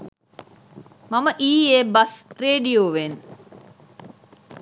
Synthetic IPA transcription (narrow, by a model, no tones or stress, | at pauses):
mɐməʔiːeːbɐsreːɖijoːʋeːn